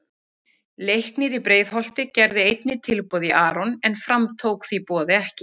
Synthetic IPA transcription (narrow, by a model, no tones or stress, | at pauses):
lejhknɪɾipɾeːjðɦɔl̥t̪ɪcɛɾðɪejt̪nɪt̪ʰɪlpɔðiʔaːɾɔnɛnfɾamt̪ʰowkθipɔːðɪɛhcɪ